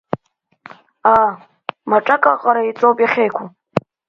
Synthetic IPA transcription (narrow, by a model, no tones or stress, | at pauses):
a | maʈ͡ʂʼakʼaqʼaɾait͡sʼowpʼjaχʲejkʷʰu